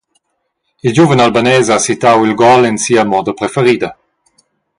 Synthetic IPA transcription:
ild͡ʒuvənalbanɛːzasit̪awilɡɔlɛnsiːəmɔːd̪əpɾɛfɛɾiːd̪ə

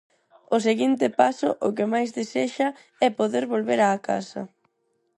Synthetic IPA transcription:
ʊseɣint̪ɪpasʊʔʊkɪmajzðeseʃɐ | ɛpoðeɾβolβeɾaːka̰sɐ̰

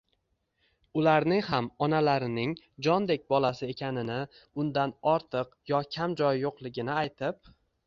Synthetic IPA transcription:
ʊlaɾnɪŋhamɒnalaɾɪnɪŋ | d͡ʒɒnd̪e̞k̚ʲbɒlˠasɪe̞kʲʰanɪnɪ | ʊnd̪anɒɾt̪ʰɨqjɒkʲʰamd͡ʒɒjːoqlˠɪɡʲɪnɪajt̪ʰɪp̚

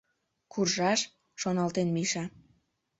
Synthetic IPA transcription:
kurʒɑʃ | ʃonɑlt̪enmiʃɑ

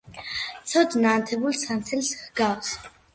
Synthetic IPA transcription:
t͡sʰɔd̪naːnt̪ʰɛbulsant͡sʰɛlsxɡaws

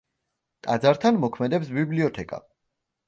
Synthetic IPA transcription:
t̪ʼa̰d̪zaɾt̪ʰanmɔkʰmɛd̪ɛpsbibliɔt̪ʰɛkʼa̰

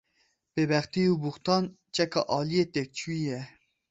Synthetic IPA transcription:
b̥ebɛxt̪iubuxt̪ɑːn | t͡ʃʼɛkɑ̰ʔɑːlijet̪ek̚t͡ʃʰuijɛ

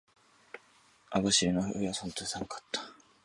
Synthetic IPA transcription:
aβaɕiɾɯnoojasõnt̪osãŋkḁt̪ːḁ

